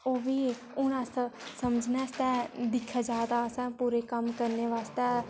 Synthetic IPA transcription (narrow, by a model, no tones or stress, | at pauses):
oːʋiː | ʊnãssəməd͡ʒnɛːst̪ɛːd̪ɪkʰːaːd͡ʒaːd̪aːəsãːpuːɾeːkəmkəɾneːʋaːst̪ɛː